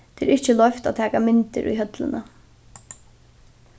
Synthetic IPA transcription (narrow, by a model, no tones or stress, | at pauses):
t̪ʰɛːɾʔɪht͡ʃːəlɔft̪a̰t̪ʰæːkamɪnt̪ɪ̰ɾʔṵjɦœt̪lɪ̰na